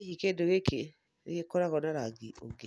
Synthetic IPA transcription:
ikedoɣeke | ḛkekɔɾakɔnaɾaɡiʔo̰ɡe

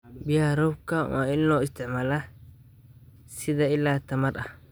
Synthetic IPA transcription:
bɪjaɾɔbka̰maɪlːoɪst̪ɪmɐlɐ | sɪd̪ɐɪlːaːt̪ːɐmɐɗɐ

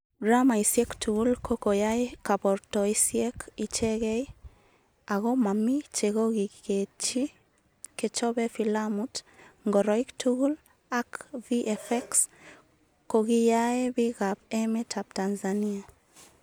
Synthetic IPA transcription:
ɡɾamaisɛktuɣulkʰokojaekabɔɾtɔisjɛkit͡ʃɛɣɛj | aɣɔmamit͡ʃeɣoɣiket͡ʃi | ket͡ʃɔbɛfilamutŋɡɔɾɔiktuɣul | akviʔɛfɛks | koɣijaebiɣapɛmɛtʰap̚tanzania

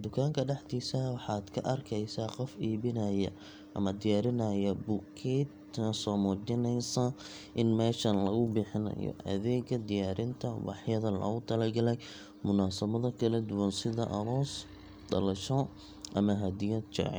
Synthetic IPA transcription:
d̪ʊkʰaːŋkʰɐɖɛħd̪iːsɐwɑħɑːd̪kʰɐʔɐrkʰɛjsaːqɔfiːβɪnɐjɐ | ʔɐ̰mɐd̪ɪjaːɾɪnɐjɐbukʰɛt̪ | nɐsɔːmɔːt͡ʃɪnɛjsɐ | ʔɪnmɛːʃɐnlɐɣʊbɪħɪnɐ̰jɔ̰ʔɐ̰ðɛːɡɐd̪ɪjaːɾɪnt̪ʰɐwɑ̰ħjɐðɐlɔ̰ɣʊt̪ʰɐlɐrɡɐlɛj | mʊnaːsɐβɐðɐkʰɐlɐd̪ʊwɐnsɪðɐʔɐ̰hɔːs | d̪ɐlɐʃɔ | ʔɐmɐɦɐd̪ɪjɐd̪t͡ʃɑ̰ʕɪ̰

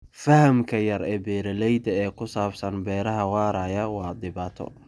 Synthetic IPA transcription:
fɐhɐmkʰɐjɐɾɛːbɛːɾɐlɛjd̪ɐɛːkʰʊsaːbsɐnbɛːɾɐɦɐwɑːɾɐjɐwɑːd̪ɪβaːt̪ʰɔ̰

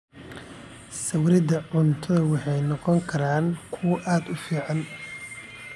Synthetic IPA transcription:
sɐwɾɪd̪ɐʕʊnt̪ʰɐðɐwɑħɑjnɔqɔŋkʰɐɾaːnkʰʊwʔaːd̪ʊfiːʕɑn

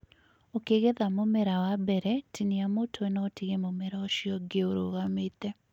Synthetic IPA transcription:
okeɣeðamomɛɾawabɛɾɛtʰiniamotʰowɛnɔtiɣemomɛɾaoʃiɔɡeoɾo̰ɣamet̪ɛ

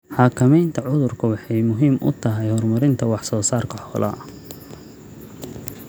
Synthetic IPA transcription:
ħɑːkʰɐmɛjnt̪ʰɐʕʊðʊrkʰɐwɑħɑjmʊɦiːmʔʊ̰t̪ʰɐɦɛjhɔrmɐɾɪnt̪ʰɐwɑħsɔːsaːrkʰɐħɔːlʔɐ̰

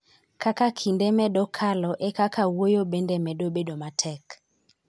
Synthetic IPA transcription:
kakakʰindɛmɛɗɔkʰalɔʔekakawojobendɛmɛɗobeɗomatʰɛk

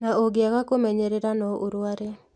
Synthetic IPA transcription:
naoɡeaɣakomɛɲeɾeɾanɔʔoɾwaɾɛ

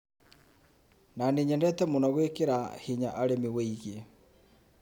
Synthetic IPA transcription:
naneɲɛndɛtɛmonɔɣwekeɾahiɲaʔaɾemiɣweiɣe

